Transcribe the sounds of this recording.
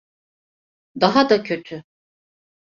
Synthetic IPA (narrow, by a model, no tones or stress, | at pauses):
d̪aɦad̪acʰø̞t̪ʰy